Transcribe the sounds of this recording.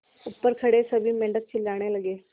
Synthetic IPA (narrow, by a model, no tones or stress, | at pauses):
ʊpːəɾkʰəɽesəbʱimɛ̃ɳɖək̚t͡ʃʰɪlːaːɽ̃eləɡeː